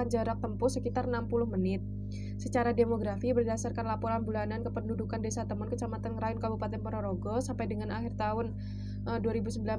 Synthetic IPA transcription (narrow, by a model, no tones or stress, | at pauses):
and͡ʒəɾak̚t̪əmpʊsəkit̪arnampulʊhmənɪt̪̚ | sət͡ʃaɾademoɡɾafibərdasarkanlapɔɾanbulanankəpəndudukandesat̪əmɔnkət͡ʃamat̪anɾajʊnkabupat̪ɛnpɔɾaɾoɡɔsampajdəŋanahɪrt̪aɦʊn | əduaɾibusəmbila